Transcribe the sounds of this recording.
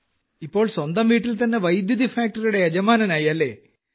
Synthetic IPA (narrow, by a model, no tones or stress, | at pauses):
ipːo̞ːɭswɐnd̪ɐmʋiːʈːilt̪ɐnːe̞ʋɐjd̪jud̪ifaːk̚ʈɐɾuɽe̞ɐd͡ʑɐmaːnɐnaːjɐlːe̞ː